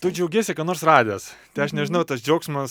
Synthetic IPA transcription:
t̪ʊd͡ʒʲɛʊɡʲeːsʲɪkɑnoːɾsrɑːd̪ʲɪjost̪ʲɐɪɐʃnʲɛʒʲɪnɐʊt̪ɐsd͡ʒʲɛʊksmɐs

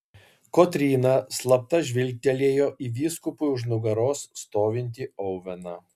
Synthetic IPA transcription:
koːt̪ʲɾʲiːnɑslˠɐp̚t̪ɐʒʲʋʲɪlʲk̚ʲt̪ʲɛlʲeːjoːʔiːʋʲiːskʊpʊjʊʒnʊɡɐɾoːsːt̪oːʋʲɪnʲt̪ʲiɔʊʋʲɛnɑ

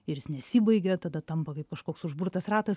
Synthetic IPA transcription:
ɪrjɪsnʲɛsʲiːbɐɪɡʲɛt̪ɐd̪ɐt̪ɐmpɐkɐɪp̚kɐʃkoːksʊʒbuɾt̪ɐsrɑːt̪ɐs

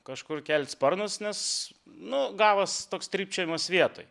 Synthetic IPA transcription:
kɐʃkʊrkʲɛlʲt̪ʲspɐrnʊsnʲɛsnʊɡɑːʋɐst̪oːkst̪ʲɾʲiːp̚ʲt͡ʃʲoːjʲɪmoːsʋʲiɛt̪oːj

